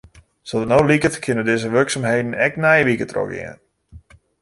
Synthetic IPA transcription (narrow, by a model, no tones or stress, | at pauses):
soənowlikətkʰɪnədɪzəʋørksamɦejdən̩ɛknɛjəʋikətrɔ̰kɪ̰ən